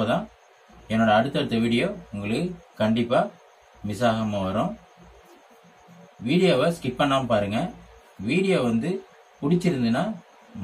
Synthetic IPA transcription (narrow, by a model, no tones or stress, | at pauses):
ot̪ãː | ɛnːoːɽɐːɽɯt̪ːɐɽɯt̪ːɐʋiːɽɪjoːʊŋɡɐɭɯkːɯkɐɳɖɪpːaː | mɪsaːɣɐmɐʋɐɾõ | ʋiːɽɪjoːʋɐskɪʈ̚pɐɳːaːmpaːɾɯŋɡɐ | ʋiːɽɪjoːʋɐnd̪ɯ | pʊɽɪt͡ʃːɪɾɯnd̪ɯnːaː